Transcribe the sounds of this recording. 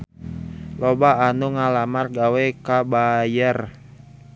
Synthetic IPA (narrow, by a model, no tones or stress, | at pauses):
lɔbaːnuŋalamarɡawɛkabajər